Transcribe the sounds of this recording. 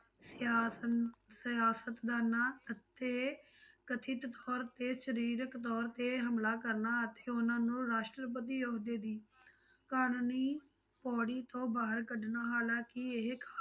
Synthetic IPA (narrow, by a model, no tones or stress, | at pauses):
sja | sɪjaːsət̪d̪aːnaːət̪ːeː | kət̪ʰɪt̪t̪ɔːɾt̪eːʃəɾiːɾəkt̪ɔːɾt̪eːɦəmlaːkəɾnaːət̪eːʊnãːnũːɾaːʃʈɾəp̬ət̪iːjoːd̪eːd̪iː | kaːnniː | pɔːɽiːt̪õːbaːɦəɾkəɖnaːɦaːlãːkɪeɦkʰa